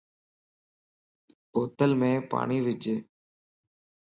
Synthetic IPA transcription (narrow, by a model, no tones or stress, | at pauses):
oːt̪əlmẽːpa̰ːɳiːʋɪd͡ʒeː